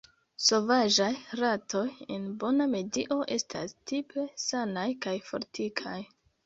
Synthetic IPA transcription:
so̞vaʒajɾatʰo̞jḛnbo̞name̞diʔo̞ʔe̞stʰa̰stipe̞sanajkajfo̞̰ɾtʰikʰaj

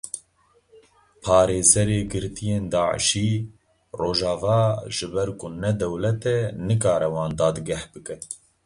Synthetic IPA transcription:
pʰɑːɾeːzɛɾeːɡɨɾt̪ijeːnd̪ɑːʕə̰ʃiː | roːʒɑːvɑːʒɨbɛɾkʊnɛd̪ɛwlɛt̪ɛnɨkɑːɾɛwɑːnd̪ɑːd̪ɨɡɛhbɨkɛ

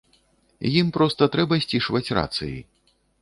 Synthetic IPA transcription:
jimpɾɔst̪ɐt̪ɾɛbɐsʲt͡sʲiʂvɐt͡sʲra̰t̪sɨ̰jḭ

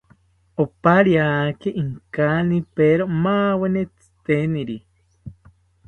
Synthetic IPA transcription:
opaɾjakeʔiŋkanipeɾomaːwenet͡sɨ̥t̪eniɾi

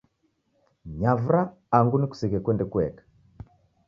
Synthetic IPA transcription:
ɲavɾaː | ŋɡuniku̥siɣɛkwɛndɛkuɛkḁ

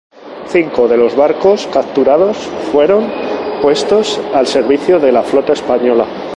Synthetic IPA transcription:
θiŋko̞ðe̞lo̞zβaɾko̞skap̚t̪uɾað̞o̞sfwe̞ɾo̞npwe̞st̪o̞salse̞ɾβ̞iθjoðe̞laflo̞t̪ae̞spaɲo̞la

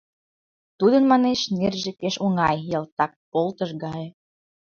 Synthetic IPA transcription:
t̪ud̪ənmɑneʃnerʒĕkeʃoŋɑjjɑlt̪ɑk̚polt̪əʃɡɑj

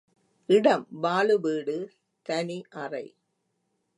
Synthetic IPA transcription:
ʔɪɽɐmʋaːɭɯʋiːɽɯ | t̪ɐniʔɐrɐɪ

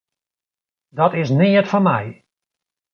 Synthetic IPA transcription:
dɔtɪsnɪːətfɔnmɛj

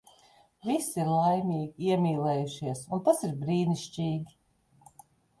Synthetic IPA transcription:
visiɾlˠajmʲiːɡʲiiɛmʲiːlˠɛːjuʃiɛsunt̪asiɾbɾiːniʃt͡ʃiːɡʲi

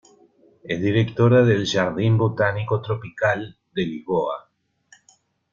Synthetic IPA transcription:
ezðiɾekt̪oɾaðelʒaɾðimbot̪anikot̪ɾopikal | d̪eliβoa

